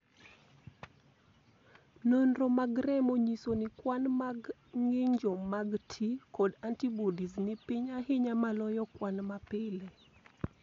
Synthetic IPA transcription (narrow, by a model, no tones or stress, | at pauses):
nonromaɡɾɛmoɲisonɪkwanmaɡ | ŋɪɲd͡ʒɔmaɡtʰikɔdantibodisnɪpiɲaɦɪɲamalɔjɔkwanmapɪle